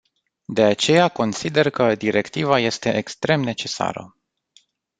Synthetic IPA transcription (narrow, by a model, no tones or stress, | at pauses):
d̪e̞at͡ʃe̞jako̞nsid̪e̞rkəd̪iɾʔe̞kt̪ivaje̞st̪e̞ʔekst̪ɾe̞mne̞t͡ʃe̞sa̰ɾə̰